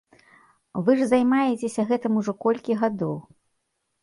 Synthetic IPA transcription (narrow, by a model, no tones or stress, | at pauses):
vɨʐzajmajet͡sʲesʲɐɣɛt̪ɨmuʐɔkɔlʲkʲiɣad̪ɔw